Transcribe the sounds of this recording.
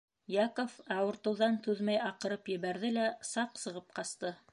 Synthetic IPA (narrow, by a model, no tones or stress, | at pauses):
jɑkofæwŏɾt̪ɤ̆wðɑnt̪ʉðmæjɑqɤ̆ɾɤpjɘ̆βæɾðɘlæsɑqsɤ̆ʁɤp̚qɑst̪ɤ